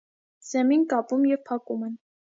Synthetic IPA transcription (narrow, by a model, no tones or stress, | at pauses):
z̥ɛminkɑpumjɛvpʰɑkumɛn